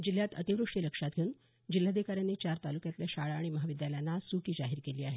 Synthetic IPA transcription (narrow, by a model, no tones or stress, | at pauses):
d͡ʑilːjat̪ə̰t̪iʋɾuʂʈiləkʂat̪̚ɡʱeun | d͡ʑilːad̪ekaɾjanːit͡ɕaɾt̪alukjat̪ljaɕaɭaːɽiməɦaʋid̪jaljanːasukiːd͡ʑaɦiɾkeliːaɦe